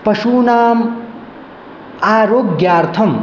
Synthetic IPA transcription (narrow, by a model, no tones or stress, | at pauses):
pɐʃunaːm | aːɾoːɡɡjaːɾt̪ʰɐm